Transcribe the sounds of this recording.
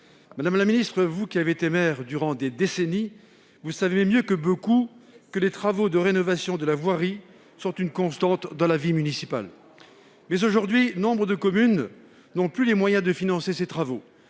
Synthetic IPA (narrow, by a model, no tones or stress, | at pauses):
mad̪amlaminist̪χəvukʲiaveet̪emɛʁd̪yʁɑ̃d̪ed̪eseni | vusaveɛmjøkəbokukəlet̪χavod̪əʁenɔvasjɔ̃d̪əlavwaʁi | sɔ̃t̪ynkɔ̃st̪ɑ̃t̪d̪ɑ̃lavimynisipa̰l | mɛzoʒuʁd̪ɥinɔ̃bʁəd̪əkɔmyn | nɔ̃plylemwajɛ̃d̪əfinɑ̃seset̪χavo